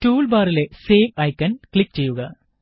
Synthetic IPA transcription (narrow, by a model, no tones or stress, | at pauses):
ʈuːlbaːɾileseːʋɐjkːɐnkɭik̚ːt͡ɕe̞jːuɣɐ